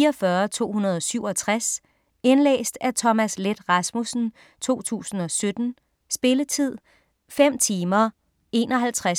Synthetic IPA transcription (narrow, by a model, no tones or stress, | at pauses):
ɐfɶɐt͡sʰo̝̰ːhunɐð̞ˠɒ̽syʊ̰ɒ̽t͡sʰʁas | enlḛːsd̥æt͡sʰɒ̽mæsled̥ʁɑsmusn̩ | t͡sʰo̝̰ːt͡sʰṵːsn̩ɒ̽sød̥n̩ | sb̥e̝lət͡sʰið̞̰ˠ | fem̰t͡sʰiːmɐ | e̝̰ːnɒ̽ɦælt͡sʰʁa